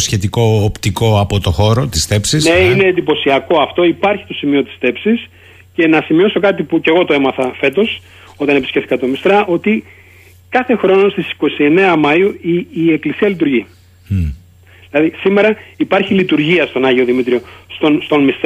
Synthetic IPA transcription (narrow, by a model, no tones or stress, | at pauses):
sçet̪iko̞ːpt̪iko̞ɐpo̞t̪oxo̞ɾot̪isθe̞psisneine̞ːnd̪ipo̞siɐko̞ɐft̪o̞ipɐɾçi̥t̪o̞simio̞t̪i̥sθe̞psis | ce̞nɐsimio̞so̞kɐt̪̬ipuce̞ɣo̞t̪oe̞mɐθɐfe̞t̪o̞s | o̞t̪ɐnepiscefθikɐt̪o̞mist̪ɾɐʔo̞t̪i | kɐθe̞xɾo̞no̞st̪isi̥ko̞sie̞ne̞ɐmɐiuiːe̞klisiɐlit̪̬uɾʝi | ðilɐðisime̞ɾɐipɐɾçilit̪uɾʝiɐst̪o̞nɐʝio̞ðimit̪ɾio̞st̪onst̪o̞nmist̪